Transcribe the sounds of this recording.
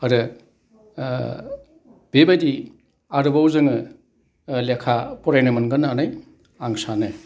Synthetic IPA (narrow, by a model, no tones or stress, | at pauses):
ɐɾɯ | b̥ebadi | aɾɯbawzɯŋɯ | lekʰapɔɾajnɯmɯnɡɯnanaj | aŋsanɯ